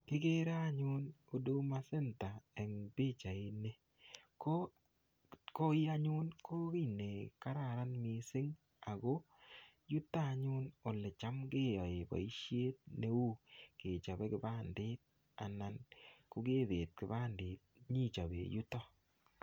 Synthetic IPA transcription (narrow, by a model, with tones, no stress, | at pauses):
kɪ˦ɡe˦ɾa˦a˦ɲʊ˦no˨do˦ma˦se˦nta˨ɛ˨ŋbe˦t͡ʃa˨ɪ˨ne˦ | ko˦ | ko˦ɪ˦a˦ɲʊ˦nkʰo˦ki˦˨ne˨ka˦ɾa˨ɾa˦nmɪ˨sɪ˦ŋ | a˨ɡo˦ | ju˦ta˦˨ɲʊ˦no˨lɛ˨t͡ʃa˦mɡe˦a˨e˨ba̰˨i˦ʃje˦t̚ne˦u˦ke˨t͡ʃa˨be˦kɪ˦ba˦ndɪ˦t̪̚ | a̰˨na˨nko˦ɡe˦ðe˨t̚kɪ˦ba˦ndɪ˨t̚ɲi˦˨t͡ʃa˨bḛ˨jʊ˦tɔ˦